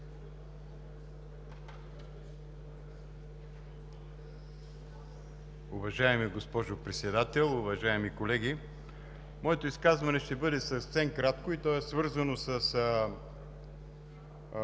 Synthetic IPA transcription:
ʊvɐʒaɛmiɡospɔʒopɾɛt̪sɛd̪at̪ɛlˠʊvɐʒaɛmikolɛɡ̟i | mɔɛt̪oiskazvɐnɛʃt̪ɛbɤd̪ɛsɐssɛmkɾat̪̚koit̪ɔɛsvɤɾzɐnosəs

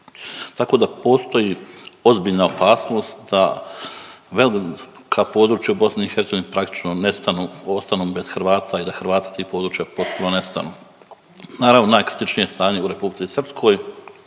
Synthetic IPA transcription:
t̪ako̞ːd̪apo̞ːst̪o̞jio̞zbiʎnao̞paːsno̞ːst̪d̪̥a | ʋe̞li | kʰapo̞ːd̪ɾuːt͡ʃjaubo̞sniixeɾt̪eɡoinipɾak̚t̪i̥t͡ʃnonest̪anuost̪anuːbe̞z̥xɾʋaːt̪aid̪axɾʋaːt̪ḁt̪iːxpo̞ːd̪ɾuːt͡ʃjapo̞t̪̚punone̞st̪a̰nuː | naːɾavʋno̞naːjkɾit̪it͡ʃnije̞st̪aːɲe̞uɾe̞publit̪isr̩pskʰo̞ːj

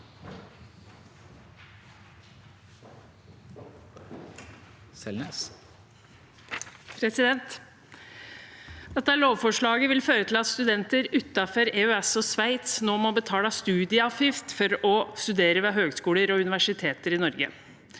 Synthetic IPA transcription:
ɛ | pʰɾɛsɪd̪ɛnt̪ | d̪ɛt̪ːəæɭoːʋfɔʂɭɑːɡəʋɪlføːɾət̪ʰɪlɑt̪st̪ʉd̪ɛnt̪əɾʉt̪ːɑfɔɾeːœɛsɔsʋæɪt̪snoːmɔbət̪ʰɑːlɑst̪ʉːd̪ɪəɑfjɪft̪fɔɾɔst̪ʉd̪eːɾəʋeːɦøːɡskuːləɾɔʉnɪʋæʂɪt̪ʰeːt̪əɾɪnɔɾɡə̰

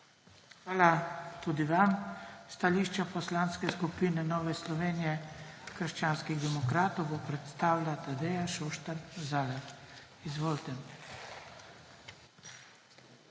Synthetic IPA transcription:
xʋaːlat̪uːd̪iʋamst̪aliːʃt͡ʃapɔslanskɛskupinɛnɔːʋɛslɔʋeːnijɛkəɾʃt͡ʃaːnskiɣd̪ɛmɔkɾaːt̪ɔwbɔpɾɛt̪st̪aːwlat̪ad̪ɛjaʃoːʃt̪aɾzalaf | izʋoːlt̪ɛ

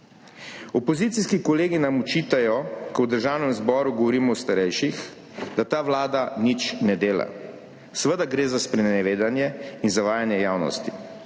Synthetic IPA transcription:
ɔpɔzit̪siskikɔleːɡinamut͡ʃiːt̪ajɔkɔwd̪əɾʒaːwnɛmzbɔːɾuɡɔʋɔɾiːmɔwst̪aɾɛjʃix | d̪at̪aːʋlaːd̪anit͡ʃnɛd̪eːla̰ | səʋəd̪aɡɾeːzaspɾɛnɛʋeːd̪anjɛinzaʋaːjanjɛjaːwnɔ̰st̪i

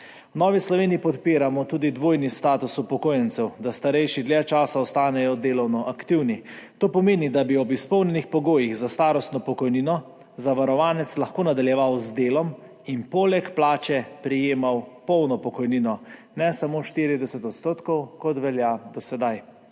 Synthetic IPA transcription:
wnɔːʋislɔʋeːniːpɔt̪piːɾamɔt̪uːd̪id̪ʋoːjnist̪aːt̪usupɔkoːjɛnt̪sɛwd̪ast̪aɾɛjʃid̪ljɛt͡ʃaːsaɔst̪aːnɛjɔd̪eːlɔwnɔʔakt̪iwnit̪oːpɔmeːnid̪abiɔbispɔwnʲɛnixpɔɡoːjiɣzast̪aːɾɔst̪nɔpɔkɔjninɔ | zaʋaɾɔʋaːnɛt̪slaxkoːnad̪aljɛʋawzd̪eːlɔm | inpoːlɛkplaːt͡ʃɛpɾijeːmawpɔwnɔpɔkɔjniːnɔ | nɛsamoːʃt̪iːɾid̪ɛsɛt̪ɔt̪st̪oːt̪kɔwkɔt̪ʋɛljad̪ɔsɛd̪aj

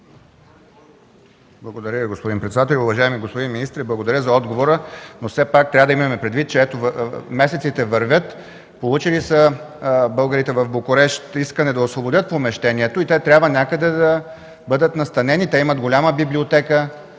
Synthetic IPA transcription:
blˠɐɡod̪ɐɾʲəviɡospod̪inpɾɛt̪sd̪at̪ɛlʲiʊvɐʒaɛmiɡospod̪inminist̪ɾiblˠɐɡod̪ɐɾʲəzɐɔd̪ɡovoɾənosɛpak̚t̪ɾʲavəd̪imɐmɛpɾɛd̪vit̪̚t͡ʃɛɛt̪ovmɛsɛt̪sit̪ɛvɐɾvʲjət̪ | polˠut͡ʃilisə | bɤlˠɡəɾit̪ɛvɐvbokoɾɛʃt̪iskənɛd̪ɐosvˠobod̪ʲjət̪pomɛʃt̪ɛnʲiɛt̪oit̪ɛt̪ɾʲabvənʲakəd̪ɛd̪ɐ | bɤd̪ət̪nɐst̪ɐnɛnit̪ɛimət̪ɡolʲaməbiblʲiot̪ɛkə

